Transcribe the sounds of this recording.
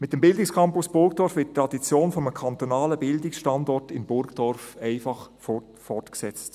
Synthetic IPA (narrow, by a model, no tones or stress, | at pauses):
mɪtəmbɪldɪkskʰɑmpusb̥ʊɾɡdɔɾfvɪt̚tːɾɑdit͡sjoːnfɔməkʰɑnt̪onɑːləbɪldɪksʃtɑndɔtɪmbʊɾɡd̥ɔɾfɛɪfɑχ | fɔrtksɛt͡st